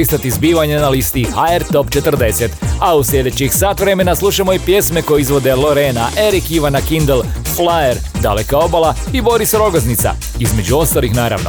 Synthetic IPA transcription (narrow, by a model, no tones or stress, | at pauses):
ist̪at̪izbiːʋaɲenalist̪ihaeɾt̪o̞pt͡ʃet̪r̩d̪e̞set̪ausʎʲe̞d̪et͡ɕixsaːt̪ʋɾe̞me̞naslˠuʃamo̞ipje̞sme̞ko̞jeizʋo̞d̪e̞lo̞ɾenaʔe̞ɾikiʋanakind̪elflaeɾ | d̪alekao̞bala | ibo̞ɾisɾo̞ɡoznit̪sa̰ | izme̞d͡ʑuo̞st̪alixnaːɾa̰ʋno